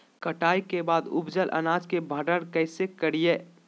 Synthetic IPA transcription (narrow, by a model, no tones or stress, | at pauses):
kəʈaːikebaːd̪ʊ̰bd͡ʒəlʔə̰naːd͡ʒkebʱəɖəɽkɛɪsekəɾijeː